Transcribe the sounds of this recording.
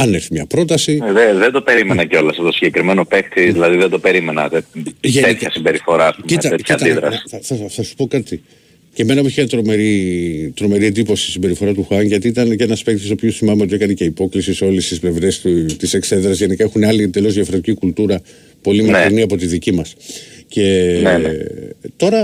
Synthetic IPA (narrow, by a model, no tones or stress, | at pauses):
ɐneɾθimɲɐpɾo̞t̪ɐsieðend̪o̞pe̞ɾimenɐceo̞lɐst̪osiɲɟekɾimeno̞pek̚t̪iðilɐðiðed̪o̞pe̞ɾime̞nɐ̰t̪eʝeet̪ɐsimbe̞ɾifo̞ɾɐɐspumciɐɐeçɐiɐnt̪ɐiðɾɐsθɐθɐsu̥po̞kɐt̪i | ce̞me̞nɐpuiçet̪ɾomeɾit̪ɾo̞me̞ɾie̞nd̪ipo̞si̥sisimbe̞ɾifo̞ɾɐt̪uxɐnʝɐt̪iit̪ɐnceenɐspe̞kt̪isopçosimɐmeot̪ie̞kɐnece̞ipo̞klisiseo̞list̪isple̞vɾe̞st̪t̪ise̞kse̞ðɾɐzʝe̞nikɐe̞xuneɐlind̪e̞lo̞zðiɐfɾot̪icikult̪uɾɐ | po̞limɐkɾiniɐpo̞t̪iðicimɐsce̞ | t̪o̞ɾɐ